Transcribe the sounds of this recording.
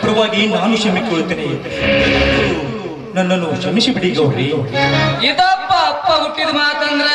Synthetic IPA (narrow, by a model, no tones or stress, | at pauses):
pɾɐʋaːɡinaːnuʃɐmikːoɭut̪ːiːni | ɐɐt̪ɐɐlu | nɐnːɐnːuʃɐmisibiɽiɡɐːɾi | it̪ɐpːɐpːɐuʈːid̪maːt̪ɐnd̪ɾɐ